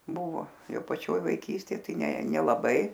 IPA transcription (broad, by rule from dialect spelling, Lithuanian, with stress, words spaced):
ˈbʊʋoː ˈjɛʊ pɐˈt͡ʃʲoːj ʋɐɪˈkʲiːsʲtʲeːj ˈtɐɪ ˈnʲɛ nʲɛlˠɐˈbɐɪ